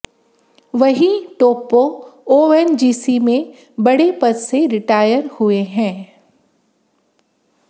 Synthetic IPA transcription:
ʋɐɦiʈoːpooːɛnd͡ʒiːsimẽ | bɐɽepɐtseɾɪʈaːjəɾhʊeɦɛ̃ː

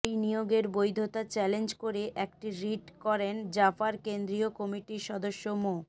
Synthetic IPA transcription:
jnijoɡeɾbojd̪ʱot̪at͡ɕɛlend͡ʑkoɾeʔɛk̚ʈiɾiʈkɔɾend͡ʑafaɾkend̪ɾiokɔmiʈiʃɔd̪oʃːomo

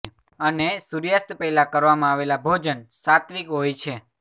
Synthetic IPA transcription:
ənesuɾjast̪pəilakəɾʋamãaʋelabʱod͡ʒənsat̪ʋikɦojt͡ʃʰe

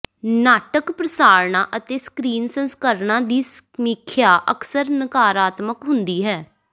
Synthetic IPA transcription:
naːʈəkpɾəsaːɾɳãːʔət̪eːskɾiːnsənskəɾɳãːd̪iːsmɪkʰjaːʔəksəɾnəkaːɾaːt̪məkɦʊnd̪iːɦɛː

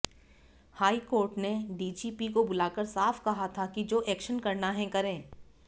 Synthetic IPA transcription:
haːikoːɾʈneɖiːd͡ʒiːpikobʊlaːkəɾsaːfkɐɦat̪ʰakid͡ʒoːʔɛːkʃənkɐɾnaɦɛ̃kɐɾẽː

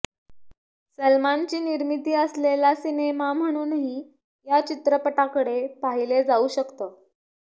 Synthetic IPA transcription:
səlmant͡ɕiːniɾmit̪iːəslelasinemam̤əɽ̃uːnɦi | jat͡ɕit̪ɾəpəʈakəɽepaɦiled͡zauɕəkt̪əː

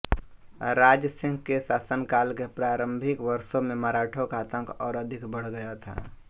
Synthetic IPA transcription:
ɾaːd͡ʒsɪ̃ŋɡkesaːsənkaːlkepɾaːɾə̃mbʱɪkʋəɾsõmẽmaɾaːʈʰokaːt̪ə̃ŋkʰɔːɾəd̪ʱɪkʰbəɽ̤ɡəjat̪ʰa̰ː

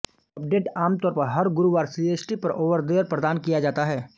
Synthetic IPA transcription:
ɐp̚ɖeːʈaːmt̪ɔːɾpɐɾɦɐɾɡʊɾuʋaːɾsiːeːt͡ʃʈipɐɾʔoːʋəɾd̪eːɾpɾəd̪aːnkijad͡ʒaːt̪aɦɛː

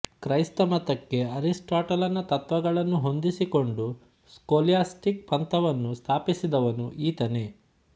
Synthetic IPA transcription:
kɾɐjst̪ɐmɐt̪ɐkːe̞ɐɾisʈaːʈɐlɐnːɐt̪ɐt̪ʋɐɡɐɭɐnːuɦo̞nd̪isiko̞ɳɖu | skoːlijaːsʈik̚pɐnt̪ɐʋɐnːust̪ʰaːpisid̪ɐʋɐnuʔiːt̪ɐne̞

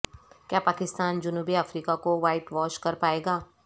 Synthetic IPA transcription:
kjaːpaːkɪst̪aːnd͡ʒʊnuːbiafɾiːkakoʋaːɪʈʋɔːʃkɐɾpaːeːɡaː

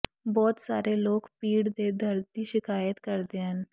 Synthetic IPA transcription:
bɔːt̪saːɾeloːɡpiːɽd̪ed̪ʱəɾt̪iʃɪkaːjət̪kəɾd̪eɦən

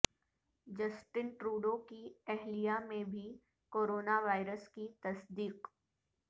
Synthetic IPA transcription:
d͡ʒɐsʈɪnʈɾuːɖõkiɛɦlijamẽbʱi | koːɾoːnaʋaːɪɾəskit̪ɐsd̪iːq

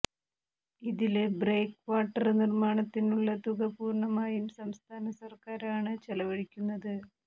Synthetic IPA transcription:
iðilebre̞ːkʋaːʈːɐrnirmaːɳɐt̪ːinuɭːɐt̪uɣɐpuːrɳɐmaːjumsɐmst̪ʰaːnɐsɐrkaːɾaːɳɨt͡ɕelɐʋɐɻikʲːunːɐðɨ

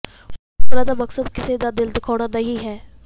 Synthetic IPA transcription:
kɾaːd̪aːməksəd̪kɪsed̪aːd̪ɪld̪ɪkʰɔːɽanɐɦiɦɛː

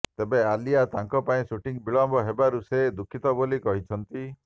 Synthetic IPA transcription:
t̪ebealiat̪aŋkɔpaĩsuʈiŋbiɭɔmbɔɦebaɾused̪ukʰit̪ɔbolikɔɦit͡ʃʰɔnt̪i

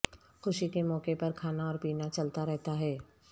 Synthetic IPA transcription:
xʊʃikemɔːkepɐɾkʰaːnaɔːɾpiːnat͡ʃɐlt̪aɾɛɦt̪aɦɛː

